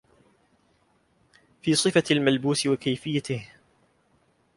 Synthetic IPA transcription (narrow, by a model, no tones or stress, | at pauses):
fiːsˤɨfalmalbuːsɪwakajfɪjːat̪ɪh